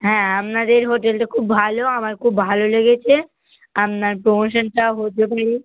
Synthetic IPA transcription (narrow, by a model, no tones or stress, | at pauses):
ɦɛ̃amnad̪eɾɦoʈelʈakʰubːʱaloamaɾkʰubːʱaloleɡet͡ʃʰe | amnaɾpɾomoʃənʈaɦot̪epaɽi